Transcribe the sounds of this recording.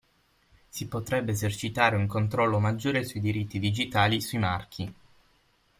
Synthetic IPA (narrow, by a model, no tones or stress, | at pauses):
sipot̪ɾɛbːeːzert͡ʃit̪aːɾeuŋkont̪ɾɔlːomad͡ʒːoːɾesuid̪iɾit̪ːid̪id͡ʒit̪aːlisuimark̟ʰi